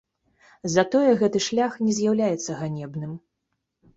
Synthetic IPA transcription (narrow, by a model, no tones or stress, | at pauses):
zɐt̪ɔjɛɣɛt̪ɨʂlʲaxnʲɛzʲjawlʲajɛt̪sːɐɣanʲɛbnɨm